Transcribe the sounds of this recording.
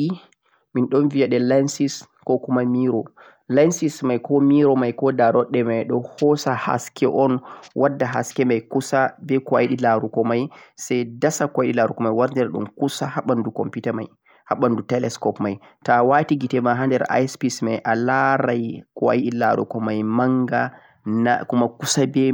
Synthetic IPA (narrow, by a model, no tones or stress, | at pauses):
i | minɗɔnvijaɗɛlansis | kɔkumamiɾɔ | lansismajkɔmiɾɔmajkɔdaɾɔɗːɛmajɗɔhɔsaha̰skʰɛ̰ʔɔnwʔadːaɦa̰skɛmajkusabɛkɔwajiɗilaɾukɔmajsajdasakɔajɗilaɾukɔmajwaɾdɛɾɗṵmkusahaɓandukɔ̰mpitama̰j | haɓandutɛlɛskɔpmaj | tawatiɡitɛmaɦandɛɾa̰jspismajʔalaɾajkɔa̰jɗila̰ɾṵkɔmajmaŋɡa | nakumakusabɛ